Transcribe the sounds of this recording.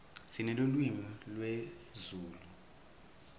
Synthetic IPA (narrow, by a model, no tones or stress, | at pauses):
sinɛlolwimilwe | zuːlu